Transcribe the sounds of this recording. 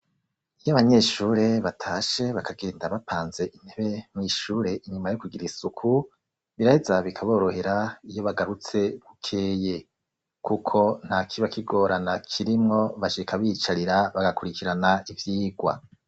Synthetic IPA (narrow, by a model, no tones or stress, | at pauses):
ijaβaɲe̞ʃuːɾe̞βatʰaːʃe̞βakʰaɡe̞ːndaβapʰaːnze̞ʔin̥heβe̞mŋiʃuːɾe̞ʔiɲumajokuɡiɾisukʰu | βiɾahezaβikʰaβo̞ːɾo̞he̞ɾaijo̞βaɡaɾut͡se̞ɡukʰeːje | kukʰo̞n̥hakʰiβakiɡo̞ːɾʔanakʰiɾimŋo̞βaʃikʰaβit͡ʃaɾiɾaβaɡakuɾikiɾanaivjiːɡwa̰